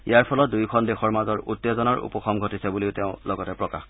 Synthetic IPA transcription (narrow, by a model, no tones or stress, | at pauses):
ijaɹpʰɔlɔt̚dujkʰɔndexɔɹmazɔɹutːɔzɔnaɹṵpɔxʰɔmɡʱɔtisɛbuliʊteʊ̃lɔɡɔtɛpɹɔka̰x